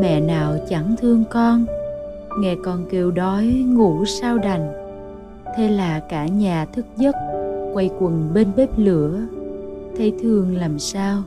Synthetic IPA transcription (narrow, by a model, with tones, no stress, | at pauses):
mɛ̰˧˨naː˨˩wt͡ɕa˧˩ŋt̪ʰɨ˧əŋkɔ˧n | ŋɛ˧˩kɔ˨˩nke˨˩wɗɔ˨˦jŋṵ˧˩saː˧wɗa˨˩jŋ̟ | t̪ʰe˧laː˨˩kaː˧˩ɲaː˨˩t̪ʰɨ˦˥k̚zə˦˥t̚kwa˧jkwə˨˩nɓe˧nɓe˦˥p̚lɨ˧˩˦ə | t̪ʰə˧jt̪ʰɨ˧əŋlaː˨˩msaː˧w